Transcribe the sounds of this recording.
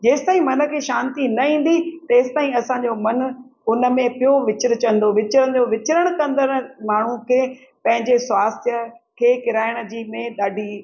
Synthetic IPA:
d͡ʑeːsɪ̥t̪aːɦĩmɐnə̆kʰeːʃaːnt̪inɐĩːn̆d̪it̪ɐːsɪ̥t̪aːĩɐsãɲd͡ʑomɐnʊnə̆mẽpijoʋɪt͡ɕɪɾ̆t͡ɕɐ̃nd̪oʋɪt͡ɕɾəɽ̃d͡ʑoʋɪt͡ɕɪɾəɽ̃kɐ̃nd̪ən̆maːɳ̤ũkʰeː | pɐ̃ɦɪ̃ɲd͡ʑeswaːst̪ʰjəkʰeːkɪɾaːɪɽ̃əd͡ʑiːmẽɗaːɖʱi

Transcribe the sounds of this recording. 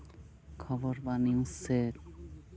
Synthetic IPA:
kʰɔbɔɾbaniuset̪̚

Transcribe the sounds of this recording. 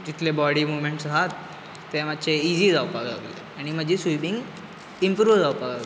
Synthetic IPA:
d͡ʑit̪lebɔɽiːmumeɳʈsɦat̪ː | ɛ̃məd̪ɕʰeiziːd͡zawpaɡa̰ɡlḛ | aɽ̃im̤əd͡ʑʱisubiŋɡ | impɾuʋd͡zawpaɡaɡ

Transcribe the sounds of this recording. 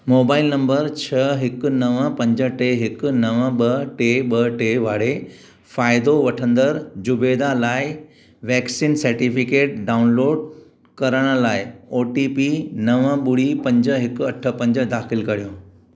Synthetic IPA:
moːbaːɪlnɐ̃mbəɾt͡ɕʰɐɦɪkʊ̆nɐʋəpɐ̃ɲd͡ʑəʈeɦɪkʊ̆nɐʋə̃ɓɐʈeːɓɐʈeːʋaːɽe | faːɪd̪oʋɐʈʰə̃nd̪əɾd͡ʑʊbeːd̪alaːɪ | ʋɛːksiːnsɐɾʈifɪkeːʈ̚ɖaːʊnloːɖ | kɐɾəɽ̃ə̆laːɪoːʈiːpinɐʋəɓʊɽipɐ̃ɲd͡ʑəɦɪkʊɐʈʰə̆pɐ̃ɲd͡ʑəd̪aːxɪlkɐɾijoː

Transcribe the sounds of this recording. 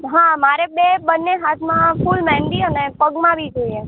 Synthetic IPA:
ɦamaɾebebənːeɦat̪ʰmãfulmɛ̃ɳɖiənepəɡmãʋid͡ʒoie

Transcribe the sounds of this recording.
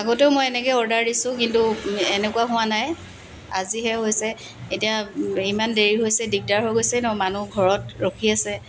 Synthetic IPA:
aɡɔteʊmojɛnɛkɛɔɹdaɹdisʊ̃k̬intuenɛkʊwaɦʊ̃wanaj | a̰ziɦɛɦojsɛ | etiaimandeɹiɦojsɛdiɡ̚daɹɦojɡojsɛnɔmanuɡʱɔɹɔt̚ɹokʰiasɛ

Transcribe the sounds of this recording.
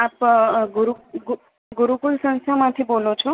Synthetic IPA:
apɡuɾuɡ | ɡuɾukulsə̃ŋsamãt̪ʰibolot͡ʃʰɔ

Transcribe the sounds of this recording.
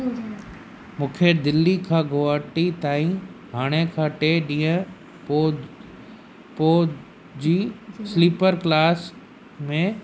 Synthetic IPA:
mũːkʰed̪ɪlːikʰãːɡoaːʈit̪aːĩɦaːɽ̃ekʰaʈeɗĩːə̃ | poː | d͡ʑiːsliːpəɾklaːs | mẽ

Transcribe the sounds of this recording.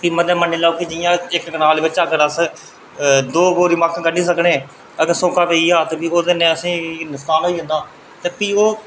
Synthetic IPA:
piːməd̪ẽːmənːiːlaːuːkid͡ʒɪjãːɪkɡənaːlːʋɪt͡ʃəkəɾəs | d̪oːboːɾiːməkkəɖiːsəkɳẽː | əɡəɾsõːkaːpeːiːaːt̪eːpiːoːd̪enẽːəsĩːnʊst̪aːnɦoːiːɦə̃nd̪aː | t̪eːpiːoː

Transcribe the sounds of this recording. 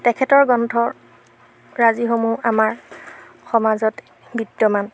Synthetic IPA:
tɛkʰɛtɔɹɡɔntʰɔɹ | ɹazixomuamaɹ | xɔmazɔt | bidːɔman

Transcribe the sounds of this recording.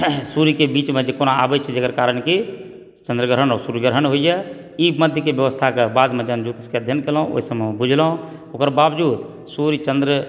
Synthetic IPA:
suɾikebiːt͡ʃmẽd͡ʒekonaa̰bɛt͡ʃʰɛd͡ʒekəɾkaɾənki | t͡ʃənd̪ɾəɡəɾɦənɔːɾsuɾiɡəɾɦənɦoijɛ | iməd̪ʱjəkebjəʋəst̪ʰakebad̪med͡ʒənd͡ʒut̪iskeəd̪ʱjənkelũʔo̰ɦisəmebud͡ʒʱlɦũ | oːkəɾbabd͡ʒuːd̪ | suɾit͡ʃənd̪ɾə

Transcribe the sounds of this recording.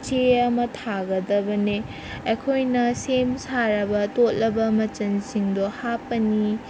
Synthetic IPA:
t͡ʃeɐmɐtʰaɡɐd̪ɐbɐne | ekʰojnɐsemsaɾɐbɐtot̚lɐbɐmɐt͡ʃɐnsiŋd̪ohapɐni

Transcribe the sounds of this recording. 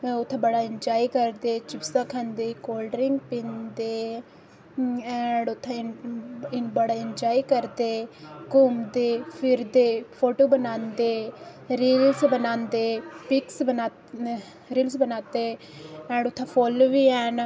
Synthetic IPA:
ʊt̪ʰːẽːbəɽaːɪ̃nd͡ʒaːikəɾd̪eːt͡ʃɪpsãːkʰɛ̃ːnd̪eːkoːlɖəɾɪ̃ŋɡpĩːnd̪eː | ɛ̃ːɖʊt̪ʰːã | ɪbəɽaːɪnd͡ʒaːiːkəɾd̪eːkʊːmd̪eːpʰɪɾd̪eːpʰoːʈoːbənaːnd̪eːɾiːlsbənãːnd̪eːpɪksbənaː | ɾiːlsbənaːt̪eː | ɛ̃ːɳɖʊt̪ʰːãːpʰoːloʋiːɛːn

